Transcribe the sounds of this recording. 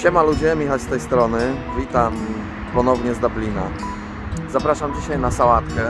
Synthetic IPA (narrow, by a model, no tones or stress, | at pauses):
t͡ɕɛmalud͡ʑɛmʲɛxat͡ɕst̪ɛjst̪ɾɔnɘvʲit̪am | pɔnɔvɲɛzd̪ablʲina̰ | zapɾaʂamd͡ʑiɕajnasawat̪kɛ